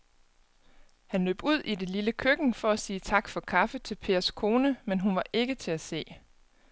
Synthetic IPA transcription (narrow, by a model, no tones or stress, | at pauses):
hænlø̰ːb̥uð̰ˠʔide̝liləkʰøɡ̥n̩fɒ̽æsiːt͡sʰɑ̈ɡ̥fɒ̽kʰɑ̈fət͡sʰe̝lpʰe̝̰ːɐskʰo̝ːnəmenɦunʋɑ̈ʔe̝ɡ̥ət͡sʰe̝æse̝̰ː